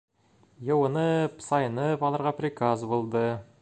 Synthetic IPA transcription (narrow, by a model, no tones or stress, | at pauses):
jewənəpsɑjənəpɑlˠɑɾʁɑprʲɪkazbolˠd̪ə